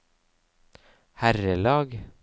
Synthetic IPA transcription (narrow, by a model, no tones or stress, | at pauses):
hæɾəlɑːɡ